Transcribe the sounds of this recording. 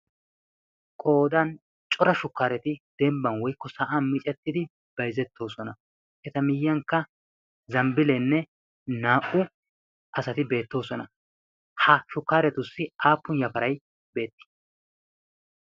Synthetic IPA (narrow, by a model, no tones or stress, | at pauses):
kʼo̞ːd̪ɐn | t͡ʃʼɔɾɐʃʊkːaːɾɛt̪ɪd̪̥ɛmbɐnwɔjkːɔsɐʔaːnmɪt͡ʃʼɛt̪ːɪd̪ɪ | b̥ɐjzɛt̪ʰːo̞ːsɔnɐ | ʔɛt̪ɐmɪjːɐŋkːɐ | zɐmbɪlɛnːɛ | naːʔʊ | ʔɐsɐt̪ɪbe̞ːt̪ːo̞ːsɔnɐ | hɐʃʊkːaːɾɛt̪ʊsːɪʔaːpːʊnjɐfɐɾɐj | be̞ːt̪ːɪ̥